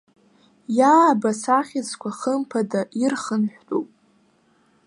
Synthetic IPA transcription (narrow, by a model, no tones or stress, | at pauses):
jaːbasaχʲɪt͡skʷaχəmpʰadaʔirχənħʷᶣtʼupʼ